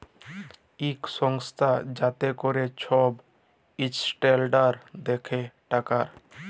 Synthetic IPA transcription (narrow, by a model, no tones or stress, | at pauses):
ikʃɔŋst̪ʰad͡ʑat̪ekoɾet͡ɕʰɔb | it͡ɕsʈelɖaɾd̪ekʰeʈakaɾ